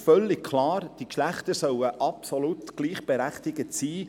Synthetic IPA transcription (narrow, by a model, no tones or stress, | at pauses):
fœlːɪk̚kʰlɑːrd̥ikʃlæχt̪əɾsœwəʔɑpsɔlut̪ɡ̥liːχb̥eɾæχt̪ɪɡətsiː